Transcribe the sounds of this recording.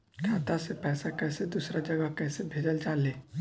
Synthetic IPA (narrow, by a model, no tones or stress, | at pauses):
kʰaːt̪asepɛːsakɛːsed̪uːsɾad͡ʒɐɡəɦkɛːsebʱeːd͡ʒəld͡ʒaːleː